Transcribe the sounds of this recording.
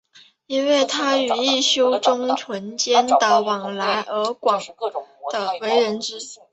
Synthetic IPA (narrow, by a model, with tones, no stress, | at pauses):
i˥nwe˥˩ɪt̪ʰa˥y˨˩i˥˩ɕjo˥ʊʈ͡ʂʊ˥ŋʈ͡ʂʰwə˧˥nt͡ɕjɛ˥nt̪ə˧˩wɑ˨˩ŋla˧˥ɪʔə˧˥kwɑ˨˩ŋd̪̥ə˧we˧˥ɪɻə˧˥nʈ͡ʂɻ̩˥